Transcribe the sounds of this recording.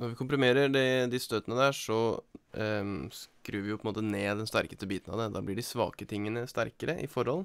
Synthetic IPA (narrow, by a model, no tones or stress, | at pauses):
nɔɾʋɪkʊmpɾɪmeːɾəɖɛd̪ɪst̪øːt̪ənəd̪æʂɔ | skɾʉːʋɪpʰɔəmoːt̪əneːd̪ɛnst̪æɾkə̥st̪əbiːt̪nɑ̰ʋd̪ɛd̪ɑːblɪɖɪsʋɑ̰ːkət̪ʰɪŋːənəst̪æ̰ɾkəɾəʔɪ̰fɔɾhɔl